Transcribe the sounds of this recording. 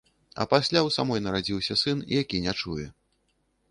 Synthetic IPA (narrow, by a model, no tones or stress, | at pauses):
ɐ̰pasʲlʲawsamɔjnɐɾad͡zʲiwsʲɐsɨnḭjakʲinʲɛt͡ʂujɛ